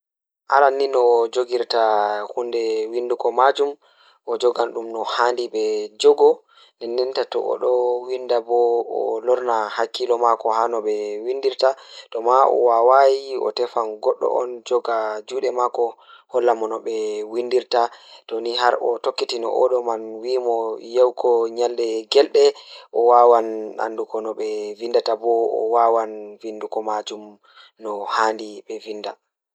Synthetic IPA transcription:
ʔa̰ɾanːinɔd͡ʒoɡiɾtahundɛwindukɔmad͡ʒum | ʔɔd͡ʒɔɡanɗumnɔhandiɓɛd͡ʒɔɡɔ | nɛnːɛntatɔ̰ʔɔ̰ɗɔwindabɔɔ̰lɔɾnahakːilɔmakɔhanɔɓɛwindiɾtaɗɔmaʔɔ̰wawajiɔ̰tɛfanɡɔɗːɔ̰ʔɔ̰nd͡ʒɔɡad͡ʒuːɗɛmakɔ | hɔlːamɔnɔɓɛwindiɾtatɔniɦaɾɔtokːitinɔ̰ʔɔɗɔmanwiːmɔjawkʰɔɲalɗɛɡɛlɗɛʔɔwawana̰ndukɔnɔɓɛvindatabɔɔ̰wawanvindukɔmad͡ʒum | nɔhaːndiɓɛvinda

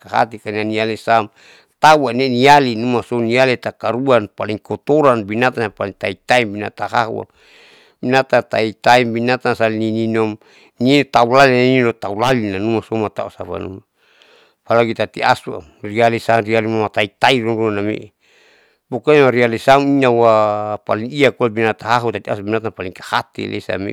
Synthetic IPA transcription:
kaɦa̰t̪ikanianialesam | t̪auanenialinumasonialet̪akaɾuanpaliŋkɔt̪oɾanbinat̪anapaliŋt̪ait̪aimbina̰t̪aɦaɦṵa̰ | binat̪at̪ait̪aimbinat̪ansalinininɔm | nint̪aulalinaiinot̪aulalinanumasɔmat̪a̰usapa̰nṵma | palaɡit̪at̪ia̰sua̰ | rialisanrialimamat̪ait̪aiɾuɾuanamḛʔ | bokaɲmaɾialisamiɲawapaliŋiakulabinat̪aɦaɦut̪at̪ias̬ubinat̪anpaliŋkahat̪ḭlʔḛsa̰mḭ

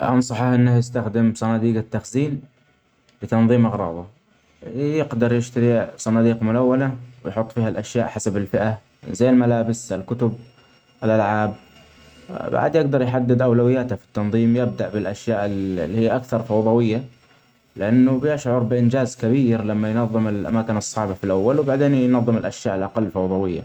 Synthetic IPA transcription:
ʔɑnsˤɑħɑhʔɪnːajɪst̪axd̪ɪmsˤɑnɑːd̪iːɡat̪ːaxziːn | lɪt̪ɑnðˤiːmʔɑɣɾˤɑ̰ːðˤɑ | jɪɡd̪ɑɾˤjɪʃt̪aɾisˤɑnɑːd̪iːqmʊlawːanawɪjħʊt̪ˤːfiːhalʔaʃjaːʔħasabɪlfɪʔa | zajːɪlmalaːbɪsalkʊt̪ʊb̚ | ɪlʔalʕaːb̚ | ba̰ʕd̪jɪɡd̪ɑɾˤjħad̪ːɪd̪ʔawlawɪjːaːt̪hafi̥t̪ːɑnðˤiːmjɪb̚d̪aʔbɪlʔaʃjaːʔɪːhijːʔakθɑɾˤfɑwðˤɑwɪjːa | lɪʔanːʊbɪjaʃʕʊɾˤbɪʔɪnd͡ʒaːzkabiːɾlamːajnɑðˤːɨmɪlʔa̰maːkɪnɨsˤːɑʕbafilʔawːalwbaʕd̪eːnjnɑðˤːɨmɪlʔaʃjaːʔɪlʔɑqɑlːfɑwðˤɑwɪjːa̰

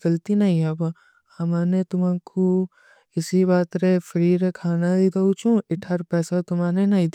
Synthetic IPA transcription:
ɡɐlt̪inɐɦĩɦaba | hɐmaːnet̪ʊmãkʰu | ɪsibaːt̪ɾefɐɾiːɾekʰaːnad̪id̪ɐut͡ʃũɪʈʰaɾpɛːsat̪ʊmaːnenɐɦĩd̪

